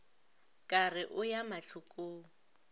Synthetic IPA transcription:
kʼarɪʔʊjamaɬʰukʼoːŋ̩

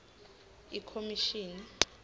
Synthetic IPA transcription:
ikʰomiʃiːni

